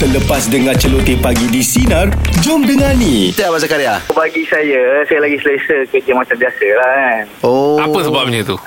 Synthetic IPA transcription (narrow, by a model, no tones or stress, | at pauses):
t̪ələpasdəŋãt͡ʃəlot̪ipaɡidisinard͡ʒʊmdəŋãnitjabas̬akaɾeabaɡisajasajalaɡisəlesəkədiamat͡ʃambiasəlahanoapəsəbap̚ɲət̪u